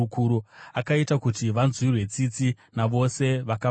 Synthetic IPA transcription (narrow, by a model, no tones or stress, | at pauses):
kuːɾuakaitakutiʋanzwirwe̞t͡sit͡si | naʋo̞se̞ʋaka